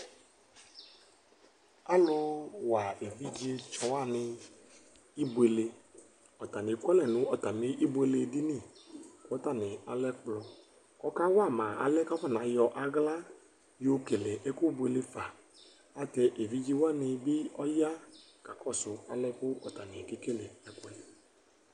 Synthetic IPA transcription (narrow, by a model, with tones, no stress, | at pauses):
a˦lʊ˦wa˨e˨vi˦d͡ʒi˦e˦t͡ʃɔ˨wa˦˨nɪ˧ | i˦bwe˨le˧ | ɔ˨ta˨nɪ˨˦kʷɛ˦lɛ˨nʊ̃˨˦ɔ˨ta˨nɪ˨˦ʔi˦bwe˦le˧di˦ni˦˨kɔ˦ta˦˨nɪ˨a˨lɛ˦k͡plɔ˨ | ɔ˦ka˦wa˦˨ma˨a̰˨lɛ˦ka˦fa˦˨na˨jɔ˧ʔa˦ɡla˦ | jo˦ke˨le˨ʔɛ˦kʊ˦bwe˨le˦fa˨ | a˨tɛ˧ʔe˨vi˦d͡ʒi˦wa˦˨nɪ˧bɪ˦ɔ˦ja˦ | ka˨kɔ˦˨sʊ˨a̰˨lɛ˦kʊ˦ʔɔ˨ta˨nɪ˨ke˦ke˦˨le˨ɛ˨kwɛ˦l